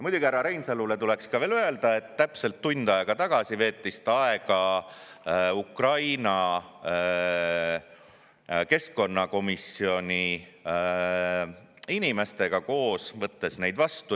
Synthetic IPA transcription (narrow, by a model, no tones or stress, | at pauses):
jmujd̪̥ʲuɡʲiæɾɑɾejnsɑlːule̞t̪ule̞kskɑve̞ːlye̞ld̪̥ɑe̞t̪ːæpse̞lt̪ːunʲd̪̥ɑeɡ̥ɑt̪ɑɡ̥ɑsive̞ːt̪ːˑist̪ɑe̞ɡ̥ɑ | ukrɑjnɑ | ke̞sko̞nːɑko̞misio̞nʲi | inime̞st̪e̞ɡ̥ɑko̞ːsvɤt̪ːe̞sne̞jd̪̥vɑst̪u